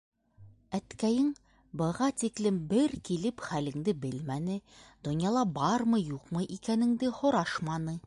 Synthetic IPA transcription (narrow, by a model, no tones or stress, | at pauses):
æt̪kæjɘŋ | bɤ̆ʁɑt̪iklɘmbɘɾkilɘpχælɘ̆ŋd̪ɘbɘlmænɘd̪̥ŏnjɑlˠɑbɑɾmɤjuqmɤʔikænɘ̆ŋd̪ɘhŏɾɑʃmɑnɤ